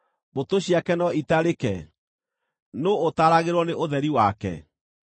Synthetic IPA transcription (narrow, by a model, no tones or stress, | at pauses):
botoɕiakɛnɔitaɾekɛ̰ | noːtaɾaɣeɾwɔneʔoðɛɾiwakɛ̰